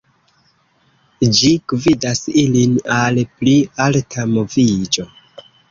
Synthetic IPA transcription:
d͡ʒiɡ̥vidasilinalplialtʰamovid͡ʒo̞

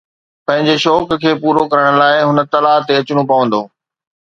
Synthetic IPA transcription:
pɐ̃ɦɪ̃ɲd͡ʑeʃɔːkkʰeːpuːɾokɐɾəɽ̃̆laːɪɦʊnə̆t̪ɐlaːt̪eɐt͡ɕʊɽ̃opɐʋə̃nd̪oː

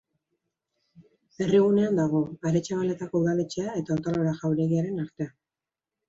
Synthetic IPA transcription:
e̞riɣ̞une̞and̪aɣ̞o̞aɾe̞t͡ʃaβale̞t̪ako̞uðale̞t͡ʃe̞ae̞t̪aont̪oloɾaʝawɾe̞ɣiaɾe̞naɾt̪e̞a

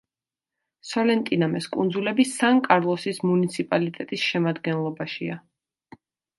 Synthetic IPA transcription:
sɔlɛnt̪ʼinamɛskʼṵnd̪zulɛbisaŋkʼaɾlˠɔsismunit̪sʰipʼalit̪ʼɛt̪ʼisʃɛmad̪ɡɛnlˠɔbaʃia

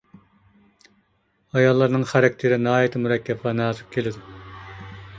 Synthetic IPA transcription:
ɑjɑlˠːɑɾnɨŋχæɾɛk̚ʲt̪ʰɪɾɪnɨɦɑːjɛt̪ʰɪmuɾɛkʲʰːɛbʁɑnɑːzɨq̚kʲʰelɪd̪u

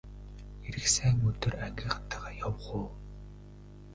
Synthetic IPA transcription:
eɾɘ̆ksæːŋɵt̪ɵ̆ræŋɡʲĕχt̪ʰaʁaːjɔwʁʊː

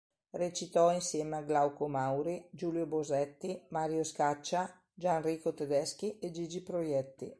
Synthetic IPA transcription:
ret͡ʃit̪ɔinsjɛːmeaɡlawkomawɾid͡ʒuːljobozɛt̪ːimaːɾjoskat͡ʃːa | d͡ʒanriːkot̪ed̪ɛsk̟ied͡ʒid͡ʒipɾojɛt̪ːḭ

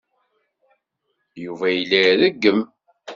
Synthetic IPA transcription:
juvæjəlːæðæɡːəm

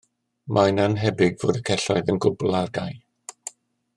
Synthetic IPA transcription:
mʔananɦɛbɪɡvoːdəkʰɛɬɔjðənɡʊblˠarɡaj

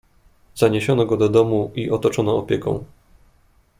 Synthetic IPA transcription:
z̥aɲeɕɔnɔɡɔd̪ɔd̪ɔmuiʔɔt̪ɔt͡ʂɔnɔːpʲjɛkɔ̰̃w̃

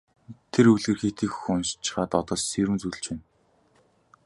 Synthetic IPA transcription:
t̪ʰeɾɵɮɣɘ̆rxet̪iːkxunst͡ɕɪ̥̆χaːt̪ɔt̪ɔːssiɾɘ̆mt͡sŭɮt͡ɕeːn

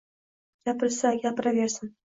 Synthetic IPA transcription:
ɡ̥ʲapɪɾsaɡʲapɪɾavʲeɾsɪn

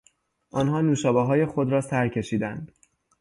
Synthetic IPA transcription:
ʔɒːnɦɒːnuːʃɒːbɒɦɒːje̞xod̪ɾɒːsæɾcʰe̞ʃiːd̪ænd̪̥

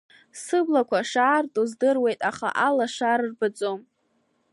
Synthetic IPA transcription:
sɨblakʷʰaʂaːrtʼozdɨrwe̞jtʼaχa̰ʔalaʂarrbɨt͡sʼom

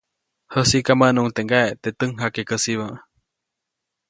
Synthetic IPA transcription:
həsikamənuŋt̪eʔŋɡaeʔt̪et̪əŋɦakekəsiβəʔ

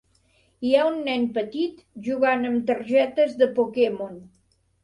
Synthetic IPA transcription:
iaunːɛnpət̪it̪ | ʒuɣanəmt̪əɾʒɛt̪əzðəpokemon

